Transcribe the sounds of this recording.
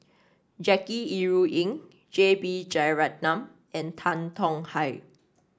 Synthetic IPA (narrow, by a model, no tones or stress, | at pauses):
d͡ʒɛkiiɹuʔĩŋ | d͡ʒebid͡ʒajɹat̚nãm | ɛ̃ntʰãntʰɔ̃ŋhaɪ